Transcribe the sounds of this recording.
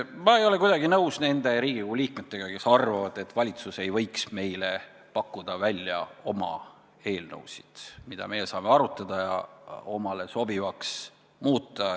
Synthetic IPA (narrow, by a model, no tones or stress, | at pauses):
mɑe̞jo̞le̞k̬ujd̪̥ɑɡinɤuwsne̞nd̪̥e̞ɾiːɡiɡuliːkmet̪ːˑe̞ɡ̥ɑke̞sɑrvɑvɑd̪̥e̞t̪ːvɑlʲit̪suse̞jvɤ̞jksme̞jle̞ | pɑkːˑud̪̥ɑvælʲjɑ̰o̞mɑ̰ | e̞ːlnɤ̰wsid̪̥mid̪̥ɑ̰me̞jesɑːmeɑɾut̪ːˑɑd̪̥ɑjɑ̰o̞mɑle̞so̞b̥ivɑks | muːt̪ːˑɑ